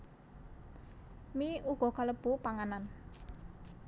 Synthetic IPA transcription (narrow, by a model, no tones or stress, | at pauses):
miuɡ̥ɔ̤kaləb̥ṳpaŋanan